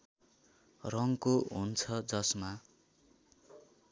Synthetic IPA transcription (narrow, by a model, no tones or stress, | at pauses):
rʌŋkoɦunt͡sʰʌd͡zʌsma